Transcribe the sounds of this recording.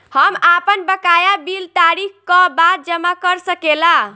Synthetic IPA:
həmapənbəkajabilt̪aɾikkəbad̪̚d͡ʒəmakəɾsəkela

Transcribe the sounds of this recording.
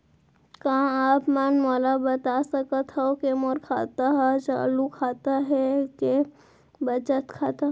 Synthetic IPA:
kaãaːpmanmɔːlabɐt̪asɐkət̪ɦɛokemoːɾkʰa̰ːt̪aɦɛt͡ʃa̰ːlukʰaːt̪aɦɛke | bɐt͡ʃət̪kʰaːt̪a

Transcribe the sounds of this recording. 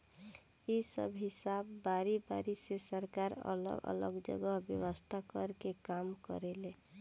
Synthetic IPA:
isə̰bʱɦɪsabːaɾibaɾisesəɾkaɾə̰l̰ə̰lə̰ɡd͡ʒə̰ɡəɦbjəwəst̪ʰakəɾkekaːmkə̰ɾele

